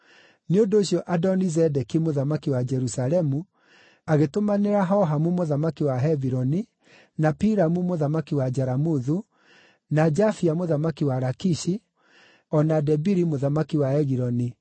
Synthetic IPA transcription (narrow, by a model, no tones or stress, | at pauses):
neondoːɕjɔʔadɔnizɛdɛkimoðamakiwad͡ʒɛɾusalɛmu | aɣetomaneɾaɦɔɦamumoðamakiwaɦɛviɾɔni | napiɾamumoðamakiwad͡ʒaɾamuðu | nad͡ʒafiamoðamakiwaɾakiʃi | ɔnadɛbiɾimoðamakiwaɛɣiɾɔni